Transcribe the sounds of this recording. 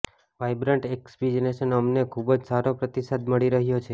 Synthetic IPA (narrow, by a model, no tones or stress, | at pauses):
ʋajbɾəɳʈekspid͡ʒəneʃənəmnekʰubəd͡ʒsaɾopɾət̪isad̪məɭiɾəɦjot͡ʃʰe